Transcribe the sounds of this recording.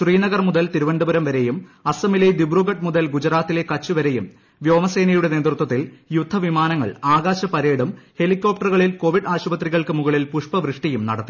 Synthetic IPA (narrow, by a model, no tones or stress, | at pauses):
ɕriːnɐɣɐrmuðɐlt̪iɾuʋɐɳɖubɐɾɐmʋɐɾejumɐsɐmilɐjd̪ibruɣɐʈmuðɐlɡud͡ʑɾaːt̪ːile̞kɐt͡ɕːuʋɐɾe̞jṵm | ʋjo̞ːmɐse̞ːnɐjuɽe̞ne̞ːt̪rut̪wɐt̪ːiljud̪ʱːɐʋimaːnɐŋːɐ̰ɭaːɡaːɕɐpɐɾeːɽumhe̞likʲːo̞ːp̚ʈɐrɣɐɭilko̞ːʋiɖaːɕubɐt̪riɣɐɭkɨmuɣɐɭilpuʂpɐʋrɨʂʈijumnɐ̰ɽɐt̪ːi